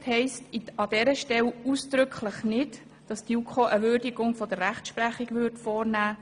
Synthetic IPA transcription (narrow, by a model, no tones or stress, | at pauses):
thɛɪstiɑd̥ɛɾəʃtɛlusd̪̥ɾʏkʰləχnɪd | d̥ɑsd̥jukʰoʔəʋʏɾdiɡʊŋfɔd̥̪ərːæχtʃpræχiɡʋʏɾtfɔːɾnæː